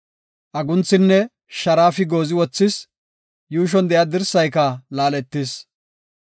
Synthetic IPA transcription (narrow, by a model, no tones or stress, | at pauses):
ʔɐɡʊnt͡sːɪnːɛ | ʃɐɾaːfɪɡoːzɪwɔt͡sːɪs | juːʃ̬ɔnd̪ɛjɐd̪ɪɾsɐjkɐlaːlɛt̪ːɪs